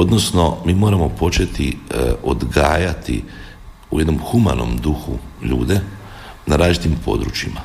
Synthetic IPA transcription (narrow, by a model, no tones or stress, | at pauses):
o̞d̪no̞sno̞miːmo̞ːɾamo̞po̞t͡ʃe̞t̪iod̪ɡaːjat̪ḭ | ṵje̞d̪no̞mxuma̰no̞̰md̪uxuʎṵːd̪e̞ | naɾaːzd͡ʒit̪impʰo̞̰d̪ɾut͡ʃima